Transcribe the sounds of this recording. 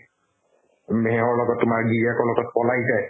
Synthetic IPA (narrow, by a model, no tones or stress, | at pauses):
meɦɔɹlɔɡɔtːʊmaɹɡiɹakɔɹlɔɡɔt̚pɔlajtaj